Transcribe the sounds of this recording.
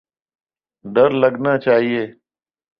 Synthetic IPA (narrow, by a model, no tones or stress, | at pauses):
ɖ̪əɾləɡnaːt͡ʃaːɦieː